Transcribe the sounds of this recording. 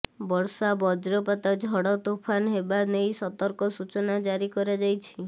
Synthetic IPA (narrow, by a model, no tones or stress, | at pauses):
bɔɾsabɔd͡ʒɾɔpat̪ad͡ʒʱɔɽɔt̪upʰanɦebanejsɔt̪ɔɾkɔsut͡ʃɔnad͡ʒaɾikɔɾad͡ʒajt͡ʃʰi